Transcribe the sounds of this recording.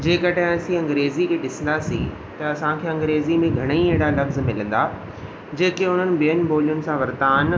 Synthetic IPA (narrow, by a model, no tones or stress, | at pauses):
d͡ʑeːkəʈɐɦɛ̃ɐsĩɐ̃ŋɡɾeːzikʰeːɗɪsə̃n̆d̪asḭ̃ | t̪ɐɐsãkʰeːɐ̃ŋɡɾeːzimẽɡʱɐɽ̃ieːɽalɐfzmɪlə̃n̆d̪aː | d͡ʑeːkeʊn̤ənɪ̆bijənɪ̆bʱoːlijʊnɪ̆sãʋɐɾd̪aːn